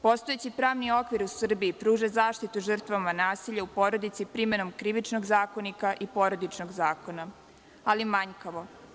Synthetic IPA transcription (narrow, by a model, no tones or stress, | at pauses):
po̞st̪o̞jet͡ɕipɾaːʋnio̞kʋiɾusr̩biipɾuːʒezaːʃt̪it̪uʒər̩t̪ʋamanaːsiʎaupo̞ɾo̞d̪it̪sipɾime̞no̞mkɾiʋit͡ʃno̞ɡzaːko̞nikaʔipo̞ɾo̞d̪it͡ʃnoɡzaːko̞na | alimaɲkaʋo̞